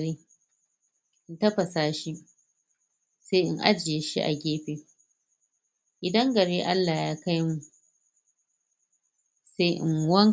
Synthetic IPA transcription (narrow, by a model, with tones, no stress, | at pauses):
ɾeː˦ | ʔɪ˦ntɐ˦ɸɐ˨saː˦ʃi˦ | seː˦ʔɪ̰˦ŋʔa̰˦d͡ʒɪ˨je˨ʃḭ˦ʔa̰˨ɡʲeː˦ɸeː˨ | ʔɪ˨dɐ˦ŋɡɐ˨ɽeː˦ʔa˦lːaː˨jaː˦ka˦jmu˨ | se˦ʔɪ̰˨ŋwɐ˦ŋ